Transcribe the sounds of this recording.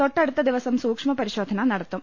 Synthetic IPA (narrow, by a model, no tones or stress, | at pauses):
t̪oʈːɐɽut̪ːɐd̪iʋɐsɐmsuːkʂmɐpɐɾiɕoːd̪ʱɐnɐnɐɽɐt̪ːum